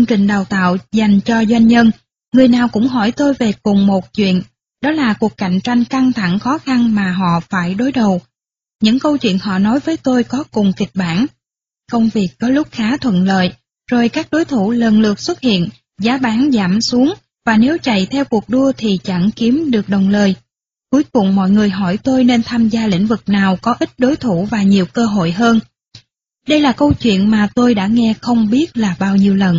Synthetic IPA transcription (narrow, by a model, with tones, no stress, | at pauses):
ə˧ŋt͡ɕï˨˩ŋ̟ɗaː˨˩wt̪a̰ː˧˨wza˨˩jŋ̟t͡ɕɔ˧zwa˧jŋ̟ɲə˧n | ŋɨ˨˩əjnaː˨˩wkʊ̰˧˥ŋ͡mɦɔ˧˩jt̪o˧jve˨˩kʊ˨˩ŋ͡mmo˨˩t̚t͡ɕwḭ˧˨ən | ɗɔ˨˦laː˨˩ku˨˩əkːa˧˩˨jŋ̟t͡ɕa˧jŋ̟ka˧ŋt̪ʰa˧˩ŋxɔ˨˦xa˧nmaː˨˩ɦɔ̰˧˨faː˧˩jɗo˨˦jɗə˨˩w | ɲɨ̰˧˥ŋkə˧wt͡ɕwḭ˧˨ənɦɔ̰˧˨nɔ˨˦jvəː˨˦jt̪o˧jkɔ˨˦kʊ˨˩ŋ͡mkï˨˩k̟̚ɓaː˧˩n | kə˧wŋ͡mvi˨˩ək̚kɔ˨˦lʊ˦˥k͡p̚xaː˨˦t̪ʰwə̰˧˨nlə̰ː˧˨j | zo˨˩jkaː˦˥k̚ɗo˨˦jt̪ʰu˧˩lə˨˩nlɨ˨˩ək̚swə˦˥t̚hḭ˧˨ən | zaː˨˦ɓaː˨˦nza̰ː˧˩msu˨˦əŋ | vaː˨˩ne˨˦wt͡ɕa̰˧˨jt̪ʰɛ˧wku˨˩ək̚ɗu˧ət̪ʰi˨˩t͡ɕə̰˧˩ŋki˨˦əmɗɨ˨˩ək̚ɗə˨˩wŋ͡mləː˨˩j | ku˨˦jkʊ˨˩wŋ͡mmɔ̰˧˨jŋɨ˨˩əjɦɔ˧˩jt̪o˧jne˧nt̪ʰaː˧mzaː˧lḭ̈˧˥ŋ̟vɨ˨˩k̚naː˨˩wkɔ˨˦ʔi˦˥t̟̚ɗo˨˦jt̪ʰu˧˩vaː˨˩ɲi˨˩əwkəː˧ɦo̰˧˨jɦəː˧n | ɗə˧jlaː˨˩kə˧wt͡ɕwḭ˧˨ənmaː˨˩t̪o˧jɗa̰ː˧˥ŋɛ˧xə˧wŋ͡mɓi˦˥ət̚laː˨˩ɓaː˧wɲi˧əwlə˨˩n